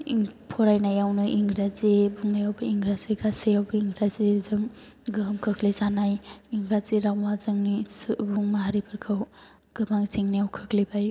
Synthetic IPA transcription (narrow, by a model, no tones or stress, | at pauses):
pʰɔɾajnajawnɯʔiŋɡɾazibuŋnajawbɯiŋɡɾaziɡasejawbɯiŋɡɾazizɯŋ | ɡɯmkʰɯkʰlizanajiŋɡɾaziɾawmazɯŋnisbuŋmaɦaɾibʰɯɾkʰɯw | ɡ̥ɯbaŋziŋnijawkʰɯkʰlibaj